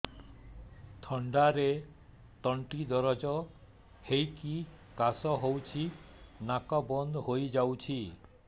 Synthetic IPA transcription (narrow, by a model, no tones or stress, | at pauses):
t̪ʰɔɳɖaɾe | t̪ɔɳʈid̪ɔɾɔd͡ʒɔ | hejki | kasɔɦowt͡ʃʰi | nakɔbɔnd̪ɦojd͡ʒawt͡ʃʰi